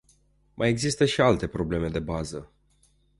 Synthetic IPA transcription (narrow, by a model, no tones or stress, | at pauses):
mʔaje̞ɡzist̪əʃialt̪e̞pɾo̞ble̞me̞d̪e̞bazə